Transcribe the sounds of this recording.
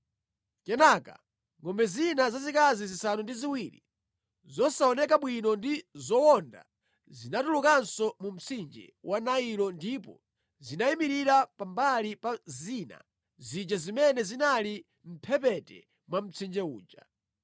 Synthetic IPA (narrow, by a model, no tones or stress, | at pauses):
kɛnaka̰ | ŋɡɔmbɛzinazazikazizisanundiziwiɾḭ | zɔsaɔnɛkaɓwinɔndizɔwɔnda̰ | zinatulukansɔmum̩t͡sʰind͡ʒɛ̰wʔanailɔndipɔ̰ | zinaimiɾiɾapambalipazina̰ | zid͡ʒazimɛnɛzinali | m̩pʰɛpɛtɛ̰ | mwam̩t͡sʰind͡ʒɛuːd͡ʒa